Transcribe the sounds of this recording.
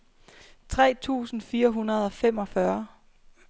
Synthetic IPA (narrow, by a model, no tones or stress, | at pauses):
t͡sʰʁɛ̰ːt͡sʰṵːsn̩fiːɐɦunɐð̞ˠɒ̽fem̰ɒ̽fɶɐ